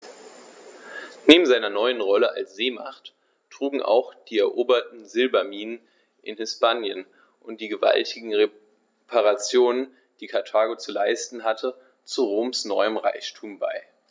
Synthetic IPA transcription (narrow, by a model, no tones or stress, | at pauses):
neːbm̩zaɪnɐnɔʏənʁɔləʔa̰lsz̥eːma̰χt | tʁ̥uːɡŋ̩ʔa̰ʊxd̥iːɛɐʔoːbɐtn̩zɪlbɐmiːnən | ʔɪ̰nhɪspaːnjən | ʔʊnt̚d̥iːɡəva̰ltʰɪɡŋ̩ʁe | pʰaʁat͡sjoːnən | d̥iːkʰaɐtʰaːɡot͡sulaɪstn̩ɦatʰə | t͡suʁoːmsnɔʏəmʁaɪçtʰuːmba̰ɪ